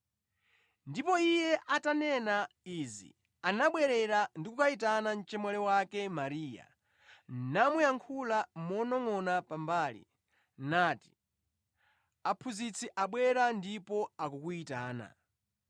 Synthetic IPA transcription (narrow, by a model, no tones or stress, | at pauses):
ndipɔijɛʔatanɛna | izḭ | anaɓwɛɾɛɾandikukait̬anan̩t͡ʃɛmwalɛwakɛmaɾiːja̰ | namwɛaŋkʰulamɔnɔŋɔnapambaːlḭ | naːti̥ | apʰuzit͡sʰɛʔaɓwɛɾandipɔakukuitaːna̰